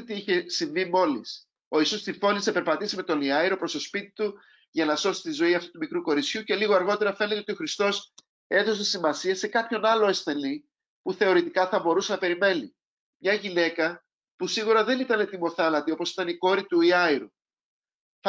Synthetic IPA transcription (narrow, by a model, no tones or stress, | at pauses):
t̪iiçe̞siɱvimo̞lis | o̞isost̪ifo̞nisepe̞ɾpɐt̪isime̞t̪o̞niɐiɾo̞pɾo̞st̪o̞spit̪i̥t̪u | ʝɐnɐso̞si̥t̪izo̞iɐft̪u̥t̪umikɾuko̞ɾit͡sçuce̞liɣoɐɾɣo̞t̪e̞ɾɐfe̞net̪eot̪o̞xɾist̪o̞s | e̞ðo̞seisimɐsiese̞kɐpço̞nɐlo̞e̞sθe̞ni | puθe̞o̞ɾit̪ikɐθɐbo̞ɾuse̞nɐpe̞ɾime̞nḭ | mɲɐʝine̞kɐ | pusiɣuɾɐðe̞nit̪ɐne̞t̪imo̞θɐlɐt̪io̞po̞si̥t̪ɐniko̞ɾit̪uiɐiɾu